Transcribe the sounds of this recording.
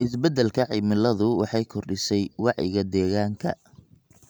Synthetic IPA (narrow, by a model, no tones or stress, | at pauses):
ʔɪsbɛd̪ɛlkʰɐʕimɪlɐðʊwɑħɑjkʰɔrɖɪsɛjwɑʕjɪ̰ɣɐd̪ɛːɣaːŋkʰɐ̰